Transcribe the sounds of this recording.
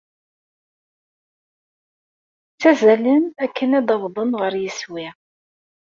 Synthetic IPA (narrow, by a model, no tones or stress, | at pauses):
t͡sːæzælənækʰːənæd̪ɑvðˤənʁəɾjiswi